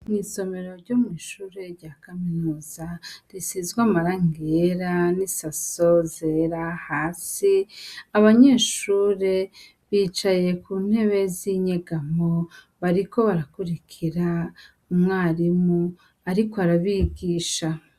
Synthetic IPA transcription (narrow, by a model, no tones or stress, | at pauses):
mŋiːso̞me̞ɾo̞ɾɟo̞mŋiːʃuːɾe̞ɾɟaːkaminuːzaɾisizɡwamaɾaŋɡeɾanisaso̞zeɾahaːsiaβaɲe̞ːʃuːɾe̞ | βiːt͡ʃaje̞kuːn̥he̞βe̞ziɲeɡamo | βaɾiko̞βaɾakuɾikʰiɾa | umŋaːɾimu | aɾiko̞aɾaβiɡiːʃa